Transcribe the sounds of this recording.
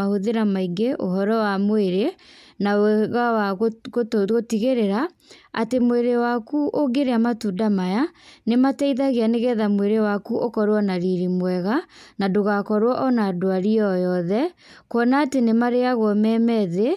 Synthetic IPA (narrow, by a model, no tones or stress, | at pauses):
ahoðeɾamaiɡeʔo̰ɦɔɾɔwamoeɾenaɣawakotɣotiɣeɾeɾa | a̰temoeɾewakuʔoɡeɾeamatudamajanematɛiðaɣeaneɣɛːðamweɾewakuʔokɔɾwɔnaɾiɾimwɛɣanadoɣakɔɾwɔʔɔnadoaɾiɔjɔðɛ | kɔnaːtenemaɾeaɣwɔmɛmɛðe